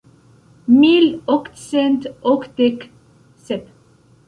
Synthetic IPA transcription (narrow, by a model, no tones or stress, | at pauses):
milɔkt̪sɛnt̪ɔkt̪ek | sɛp